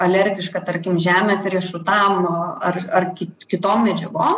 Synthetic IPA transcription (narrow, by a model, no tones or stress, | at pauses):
ɐlʲɛɾʲɡʲɪʃkɑt̪ɐɾʲkʲɪmʒʲæːmʲeːsɾʲiɛʃʊt̪ɑmɐrɐrkʲɪkʲɪt̪oːmmʲɛd͡ʒʲɛɡoːm